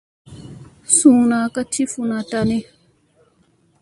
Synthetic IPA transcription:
sũːnaː˨ka˦t͡ʃi˦funatani˦

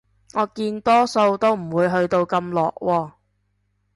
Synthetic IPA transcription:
ŋɔː˨˧kiː˧nt̪ɔː˥so˧wt̪o˥wm̩˨˩wuː˨˧jɦɵ˧ɥt̪o˧wkɐ˧mlɔ̰ː˨k̚wɔː˧

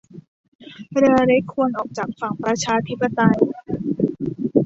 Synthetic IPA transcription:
ɾɯ˧ɐɾe˦˥kʰːu˧ənʔɔː˨˩k̚t͡ɕaː˨˩k̚fa˨˩˦ŋpɾa˧t͡ɕʰaː˧t̪ʰi˦˥pːa˧t̪a˧j

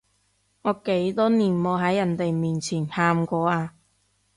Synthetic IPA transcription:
ŋɔː˨˧ke˨˥jt̪ɔː˥niː˨˩nmɔː˨˧ɦɐ˨˥jɐ˨˩nt̪e˨jmiː˨nt͡sʰiː˨˩nhaː˨˧mkʷɔː˨˧aː˧

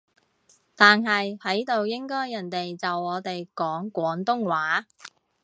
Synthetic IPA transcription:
t̪aː˨nɦɐ˨jhɐ˨˥jt̪o˨wjɪ˥ŋkɔː˥jːɐ˨˩nt̪e˨jt͡sɐ˨wɔː˨˧t̪e˨jkɔː˨˥ŋkʷɔː˨˥ŋt̪ʊ˥ŋwaː˨˥

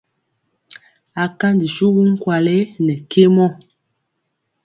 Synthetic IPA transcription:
a˨ka˦ndi˨ʃu˦ɣu˦ŋ̩˦kwa˨le˦nɛ˨ke˦mɔ˦˨

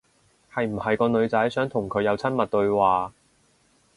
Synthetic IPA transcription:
hɐ˨jm̩˨˩hɐ˨jkɔː˧nɵ˨˧ɥt͡sɐ˨˥jsœː˨˥ŋt̪ʰʊ˨˩ŋkʰɵ˨˧ɥjɐ˨˧wt͡sʰɐ˥nmɐ˨t̚t̪ɵ˧ɥwaː˨

